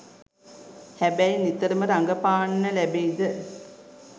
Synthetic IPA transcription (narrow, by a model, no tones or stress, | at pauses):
hæbæjnit̪əɾəməɾaŋɡəpaːɳnəlæbeːd̪ə